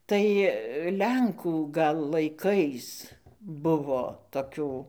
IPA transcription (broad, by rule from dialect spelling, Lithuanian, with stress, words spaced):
ˈtɐɪ ˈlʲɛŋkuː ɡɐlˠ lˠɐɪˈkɐɪs ˈbʊʋoː toːˈkʲuː